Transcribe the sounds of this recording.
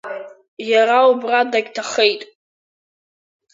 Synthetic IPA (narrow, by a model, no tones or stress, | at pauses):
jaɾaubradaɡʲtʰaχejtʼ